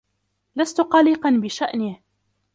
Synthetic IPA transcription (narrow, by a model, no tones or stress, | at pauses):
last̪ʊqɑlɪqɑnbɪʃaʔnɪh